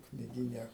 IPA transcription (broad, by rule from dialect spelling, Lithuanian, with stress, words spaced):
knʲɪˈɡʲiːnʲɛ